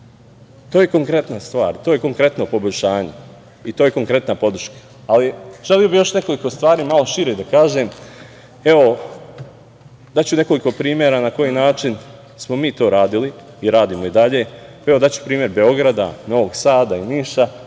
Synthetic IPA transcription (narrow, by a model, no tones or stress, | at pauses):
t̪o̞ːje̞ko̞ŋkɾe̞t̪nast̪ʋaːɾt̪ojeko̞ŋkɾe̞t̪nopo̞bo̞ʎʃaːɲe | it̪oːje̞ko̞ŋkɾe̞t̪napo̞d̪ɾʃkḁ | aliʒ̥e̞lijobijo̞ʃne̞ko̞liko̞st̪ʋaːɾiːmalo̞ʃiɾed̪akaːʒe̞ːm | e̞o̞ | d̪at͡ɕune̞ko̞liko̞pɾiːmjeɾanako̞jinaːt͡ʃin | smo̞miːt̪o̞ːɾaːd̪iliː | ɾaːd̪iːmo̞id̪aʎe̞ːaeʋod̪at͡ɕu̥pɾiːmje̞ɾbe̞o̞ɡɾad̪ano̞ʋo̞ɡsaːd̪ainiːʃa